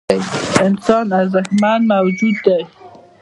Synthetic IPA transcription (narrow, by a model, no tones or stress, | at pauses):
jɪnsɑnazaxmanmawd͡ʒud̪ːaj